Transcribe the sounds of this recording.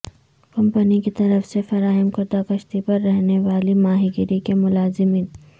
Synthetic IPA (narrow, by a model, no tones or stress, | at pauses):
kɐmpənikit̪ɐɾəfsefɐɾaːɦɪmkɐɾd̪akɐʃt̪ipɐɾːɛɦneʋaːlimaːɦiɡɪɾikemʊlaːzɪmiːn